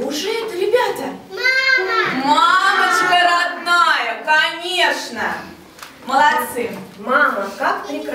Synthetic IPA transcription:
uʐɨɛt̪ɾʲɪbʲat̪ʲɐ | mamət͡ɕkəɾad̪najɐkanʲeʂnə | məlˠat̪sɨmmamɐkakpɾʲɪkɾ

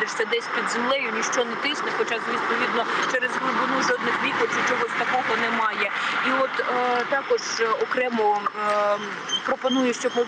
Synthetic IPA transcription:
d̪ɪʃsʲɐd̪ɛsʲpʲid̪zemlˠɛjʊnʲiʃt͡ʃɔnɛt̪ɪsnɛxɔt͡ʃazʋʲispɔʋʲid̪nɔt͡ʃɛɾezɦɾʊbɪnuʒɔd̪nɪxʋʲikɔwt͡ʃɪt͡ʃɔɦɔsʲt̪ɐkɔɦɔnɛmɑjɛiɔt̪t̪ɑkɔʒ̥ɔkɾɛmɔ | pɾɔpɔnujʊʃt͡ʃɔbmɔ

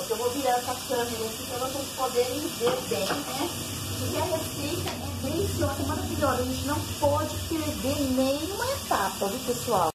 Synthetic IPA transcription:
ʊɾkewvoviɾaɾɛsɐpk̪ɐɐmeɾɐakĩpɾɐvosespod̪eɾẽj̃veɾbẽj̃nɛ | pʊɾkeɐɦesejt̪ɐʔɛẽjsɔ̃kɪmaɾaviʎɔzɐʒẽnt͡ʃɪnɐ̃w̃pɔd͡ʒɪkɾed̪enẽj̃ũmɐet̪apɐɡɪpesuaw

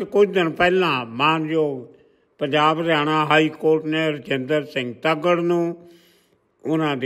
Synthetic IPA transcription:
kʊt͡ʃʰd̪ɪnpɛːlãːmãːnd͡ʒoːɡ | pə̃ɲd͡ʒaːbɾaːɽ̃aːɦaːiːkoːɾʈnẽːɾt͡ʃẽnd̪əɾsɪ̃ŋɡt̪əɡəɽnũː | ʊnãːd̪e

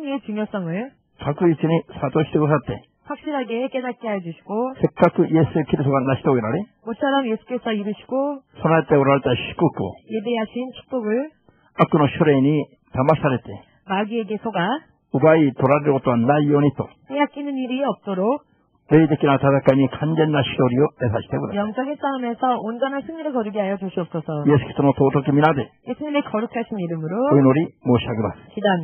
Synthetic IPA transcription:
ŋet͡ɕuŋjos͈ʌŋɯɭ | kak͈ɯisʰɯnisʰad̪oɕʰi̥deɡɯsʰat̪͈e̞̰ | ɸwak̚ɕ͈iɾɦaɡe̞k͈e̞dat̚k͈eɦajʌd͡ʑuɕʰi̥ɡ̥osʰek͈akʰɯjesʰuekiɾist͈ʰoɡanaɕʰi̥t̪oɡeɾaɾemot͡ɕʰʌɾʌmje̞sʰu̥k͈e̞sʰʌiɾɯɕʰi̥ɡ̥osʰonat̪͈eoɾaɭt̪͈aɕʰi̥k͈uk͈o̰je̞be̞ɦaɕʰint͡ɕʰi̥k̚p͈oɡɯɭ | ak͈ːɯnoɕʰoɾeni | t̪amasʰaɾet̪͈e | maɡieɡe̞sʰoɡa | ubait̪oɾaɾiɾɡot͈oanːajonit̪͈okejak͈inɯniɾiʌp̚t͈oɾok̚ | neid̪ek͈inatadak͈aɲikand͡ʑenːaɕʰidoɾioesʰaɕi̥tebudajʌŋs͈aɡes͈aɯmesʰʌond͡ʑʌnansʰɯŋɲiɾɯɭkʌɾɯɡiɦajʌd͡ʑuɕ͈ʰiʌp̚s͈ʌsʰʌjesʰu̥ki̥sʰonot̪otokiminadeje̞sʰuɲimekʌɾukʰaɕʰiniɾɯmɯɾooinoɾimoɕʰiaɡimaskidaam

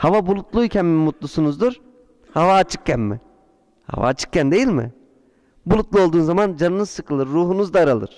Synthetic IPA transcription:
havabulˠut̪lˠuicʰɛnmmːut̪lˠusunuzd̪uɾ | havaːt͡ʃʰɯ̥k̚cænmɪ̰ | ha̰va̰ːt͡ʃʰɯ̥k̚cænd̪e̞jilʲmɪ̰ | bulˠut̪lˠuo̞lˠd̪uːnzamand͡ʒanɯnɯzsɯkʰɯlˠɯɾːuːɦunuzd̪aɾalˠɯ̰ɾ̥

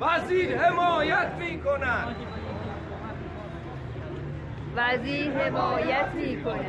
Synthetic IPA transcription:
væziːɾhemɒːjæt̪ʰmiːkʰonæd̪ | væziːɾhemɒːjæt̪ʰmiːkʰon

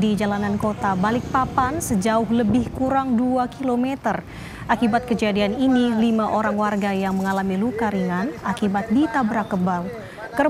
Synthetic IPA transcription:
did͡ʒalanankot̪abalɪk̚papansəd͡ʒaʊhɦləbɪhkuɾaŋduakilomɛt̪ər | ʔakibat̪̚kəd͡ʒadianinilimaʔoɾaŋwarɡajaŋməŋalamilukaɾiŋanakibat̪̚dit̪abɾakəbal | kər

